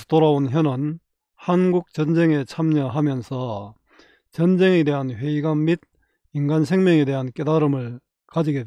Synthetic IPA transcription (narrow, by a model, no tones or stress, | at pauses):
toɾaonçjʌnɯn | hanɡuk̚t͡ɕʌnd͡ʑe̞ŋe̞t͡ɕʰamɲʌɦamjʌnsʰʌ | t͡ɕʌnd͡ʑe̞ŋede̞ɦanɸwe̞iɡamid̚ | inɡansʰe̞ŋmjʌŋe̞de̞ɦank͈e̞daɾɯmɯɭ | kad͡ʑiɡet